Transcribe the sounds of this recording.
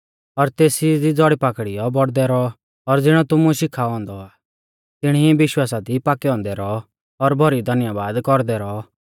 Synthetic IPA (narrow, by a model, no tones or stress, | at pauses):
ɔɾt̪eːsid̪id͡zɔɽipakɽijɔbɔɽd̪ɛɾɔ | ɔɾd͡zɪɽ̃ɔt̪ʊmuʃɪkʰaɔ̃ːnd̪ɔaː | t̪ɪɽ̃ibɪʃwaːsad̪ipaːkɛɔ̃ːnd̪ɛɾɔ | ɔɾbʱɔɾid̪ʱɐnjabaːd̪kɔɾd̪ɛɾɔ